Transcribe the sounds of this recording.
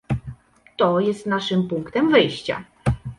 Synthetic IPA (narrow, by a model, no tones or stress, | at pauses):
t̪ɔjɛst̪naʂɘmpuŋkt̪ɛmvɘjɕt͡ɕa̰